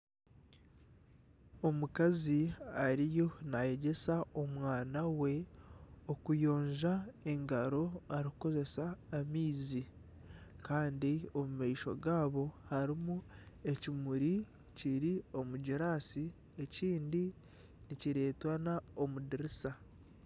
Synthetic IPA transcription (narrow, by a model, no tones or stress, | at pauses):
o̞mukaziaɾijonaje̞ɟe̞saomwaːnawe̞ | o̞kujo̞ːɲʒae̞ŋɡaɾo̞aɾikuko̞ze̞saːmiːzi | kaːndio̞mumaiʃo̞̰ɡaːβo̞haɾimu | e̞cimuɾi | ciɾio̞muɟiɾaːsi | e̞ciːndi | niciɾe̞ːtwanao̞mudiɾisa